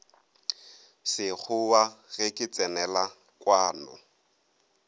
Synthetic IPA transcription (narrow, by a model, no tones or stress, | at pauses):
sɪk͡xʰʊwaɣɛkʼɪt͡sʼɛnɛla | kʼwaːnɔ̰